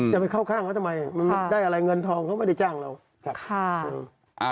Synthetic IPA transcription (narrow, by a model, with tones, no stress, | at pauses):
t͡ɕa˨˩pa˧jkʰa˥˩wkʰaː˥˩ŋʰa˦t̪ʰa˧ma˧jʔa˨˩ma˧n˦daː˥˩ʔa˧ɾa˧jŋɤ˧nt̪ʰɔː˧ŋkʰa˦˥wma˥˩da˥˩jt͡ɕaː˥˩ŋla˧w | kʰa˦˥˧ʔɯː˧˩˧